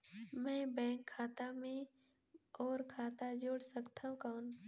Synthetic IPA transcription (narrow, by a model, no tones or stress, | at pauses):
mɛ̃ːbɛ̃ːŋkʰːaːt̪amẽ | ɔːɾkʰaːt̪ad͡ʒoːɽsəkt̪aɦũkaːn